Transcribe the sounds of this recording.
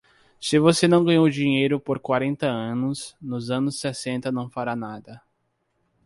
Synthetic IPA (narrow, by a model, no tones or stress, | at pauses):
sɪvosenɐ̃w̃ɡɐ̃ɲ̃owd͡ʒĩɲejɾʊpoɾkwaɾẽnt̪ɐɐ̃nʊsnʊzɐ̃nʊsesẽnt̪ɐnɐ̃w̃faɾanad̪ɐ